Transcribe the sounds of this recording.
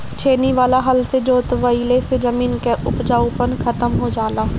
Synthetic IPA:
t͡ʃʰeːniʋaːlaɦɐlsed͡ʒoːt̪ʋəilesed͡ʒəmiːnkeʔʊpd͡ʒaːʊpənkʰət̪əmɦod͡ʒaːlaː

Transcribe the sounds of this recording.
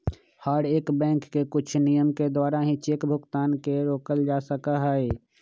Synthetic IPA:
haːɖeːkbɛ̃ːŋkːekʊt͡ʃʰnijəmked̪waːɾaɦĩt͡ʃeːkbʱʊkt̪aːnkeɾoːkəld͡ʒaːsəkaɦɛe

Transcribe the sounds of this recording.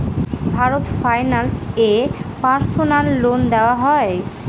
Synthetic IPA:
bʱaɾot̪fajnalsepaɾsonalːond̪ɛoaɦɔe

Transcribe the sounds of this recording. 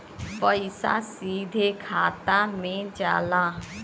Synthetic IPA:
pəisa̰ːsiːd̪ʱeːkʰaːt̪aːmẽːd͡ʒa̰ːlãː

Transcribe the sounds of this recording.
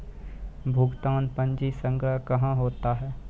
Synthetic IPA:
bʱʊɡt̪aːnpə̃ɲd͡ʒisə̃ŋɡɾakɐɦãɦoːt̪aɦɛː

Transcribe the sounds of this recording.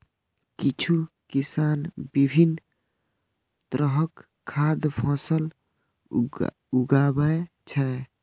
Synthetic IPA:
kit͡ʃʰu | kisanbibʱin | t̪ɾəɦəkʰː | ad̪pʰɔ̃səl | uɡabəj | t͡ʃʰɛ

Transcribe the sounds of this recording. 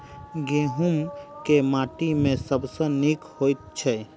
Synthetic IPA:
ɡeɦumkemãːʈimẽsəbsə̃nikhojt̪̚t͡ʃʰɛ

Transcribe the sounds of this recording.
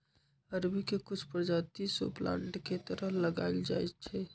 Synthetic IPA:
əɾbʱikekʊt͡ʃʰpɾd͡ʒat̪iso̰plã̰ɳʈket̪əɾəɦləɡa̰ɪld͡ʒa̰ɛtt͡ʃʰɛ

